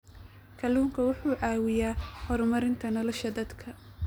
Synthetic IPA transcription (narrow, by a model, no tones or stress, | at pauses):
kʰɐluːŋkʰɐwʊħuːʕɑːwɪjaːhɔɾmɐɾɪnt̪ʰɐnɔlɔʃɐd̪ɐd̪kʰɐ